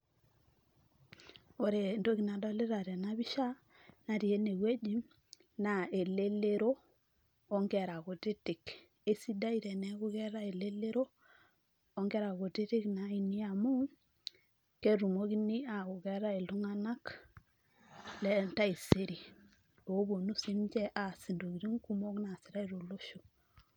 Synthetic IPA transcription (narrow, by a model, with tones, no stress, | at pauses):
o˨ɾe˨ndo˦ki˨na˨dɔ˦le˦ɾa˨ɾɛ˨na˦βi˦ʃa˦ | na˨ɾi˨e˦ne˨we˦d͡ʒi˦m | na˨e˨le˦le˦ɾoː˦ | ŋɡɛ˨ɾa˨ɣo˨tɪ˦tɪ˨k | e˦si˦da˦i˦ɾɛ˨nɛ˦ɣʊ˦ɣɛ˦ɾa˦e˨le˦le˦ɾoː˦ | ŋɡɛ˦ɾa˨ɡo˨ti˦ti˦kna˨i˨ni˦a˨mu˦ | ke˦ɾu˨mo˦ki˦ni˦a˨u˨ɡɛ˦ɾa˦e˨lu˦ŋa˦na˦k | lɛ˦nta˦i˨se˦ɾi˨ | o˨˦bo˨nu˦si˦md͡ʒɛ˦ʔa˨si˨ndo˨ɡi˨ɾi˦ŋku˦mo˦kna˨si˨ɾa˦i˨ɾo˨lo˦ʃo˨